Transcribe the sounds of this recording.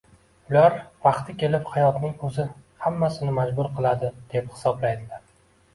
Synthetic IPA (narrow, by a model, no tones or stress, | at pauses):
ʊlaɾvɑqt̪ʰɪkʲʰe̞lɪphajɒt̪nɪŋkʰɵzɪhamːasɪnɪmad͡ʒbʊɾqʰɨlˠad̪ɪd̪̥e̞phɪ̥sɒblajd̪ɪlaɾ